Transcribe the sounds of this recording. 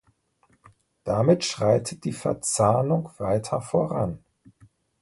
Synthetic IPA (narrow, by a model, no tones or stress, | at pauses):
d̥amɪtʃʁ̥aɪtʰət̚d̥iːfɛɐt͡saːnʊŋv̥aɪtʰɐfoʁa̰n